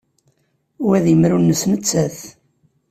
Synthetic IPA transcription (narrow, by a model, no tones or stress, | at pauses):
wæðjəmɾunːəsnət͡sːæθ